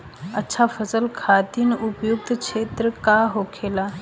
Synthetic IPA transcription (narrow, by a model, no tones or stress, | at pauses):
ətːʃʰafəsəlkʰaːd̪inʊpjʊk̚t̪kt͡ʃʰeːt̪ɾəkaɦoːkʰeːla